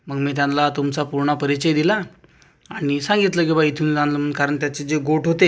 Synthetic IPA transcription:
məɡmiːt̪jãnlat̪umt͡sapuɾɳəpəɾit͡ɕəjd̪ilaː | ɽ̃isãŋɡit̪ləkibait̪ʰuːnd͡zanləmənkaɾəɳt̪jat͡sed͡zeɡoʈɦot̪e

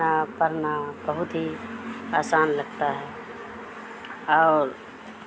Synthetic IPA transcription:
apəɾnab̥əɦʊt̪ɦiaːsaːnləɡ̚t̪aɦɛː | ɔːɾ

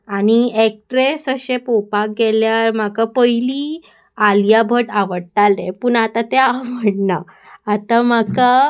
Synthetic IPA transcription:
añiek̚ʈɾesəɕepopak̚ɡɛljaɾm̤akapəjliː | alijabʱəʈaʋəɽʈalepuːɳat̪ãt̪eaməɽnaː | t̪am̤aka

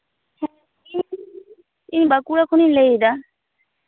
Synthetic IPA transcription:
inbakuɽakʰunileid̪a

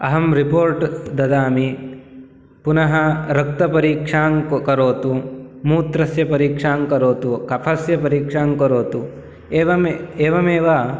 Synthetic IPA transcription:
ɐɦɐmɾipoːɾʈd̪ɐd̪aːmi | punɐɦɐɾɐk̚t̪ɐpɐɾiːkʂaːŋkɐɾoːt̪umuːt̪ɾɐsjɐpɐɾiːkʂaːŋkɐɾoːt̪ukɐpʰɐsjɐpɐɾiːkʂaːŋkɐɾoːt̪u | eːʋɐmeːʋɐmeːʋaː

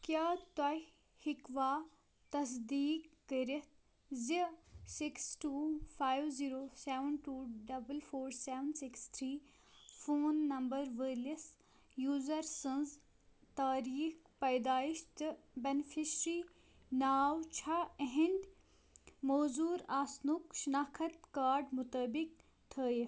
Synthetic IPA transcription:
kjaːt̪ɐ | hikʋaː | t̪ɐs̬d̪iːkːəɾit̪̚ʰ | zisiksʈuːfaːjʋziːɾoːseʋənʈuːɖɐbəlfoːɾseːʋənsikst̪ʰɾiː | foːnːɐmbɐɾʋəlis | juːzɐɾsə̃nz | t̪aːɾiːx | pɐjd̪aːiʃt̪ɨbɐnfʰisɾiː | naːwt͡ʃʰɐɦɪnd | moːzuːɾaːsnukʃinaːkʰɐt̪kaːɾɖmʊt̪əbik̚ | t̪ʰəːj

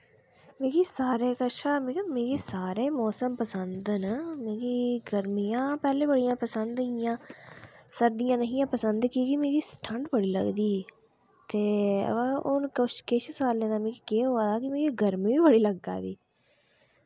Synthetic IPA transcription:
mẽːkiːsaːɾeːkəʃaːmẽːkimẽːɡiːsaːɾeːmɔːsəmpəsənd̪ənmẽːɡiːɡəɾmijãːpɛːlẽːbəɽijãːpəsənd̪ɪjãː | səɾd̪ɪjãːnəɦɪ̃jãːpəsənd̪kiːkimẽːɡiːsʈʰə̃ɳɖbəɽiːlə̰ɡd̪iː | t̪eːə̰əʊnkəʃkeʃsaːlẽːd̪aːmẽːkiːkeːɦoːaːd̪aːkɪmẽːɡiːɡəɾmĩːʋiːbəɽiːləɡːa̰ːd̪iː

